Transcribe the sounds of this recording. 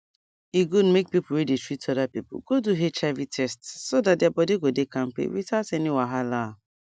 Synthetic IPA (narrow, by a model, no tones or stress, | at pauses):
iɡudmek̚pipʊwedetʰɹitɔdapipʊ̰ɡoduɦet͡ʃavitʰɛstsodadɪabɔdeɡodekam̩pḛwḭtaseniwaɦala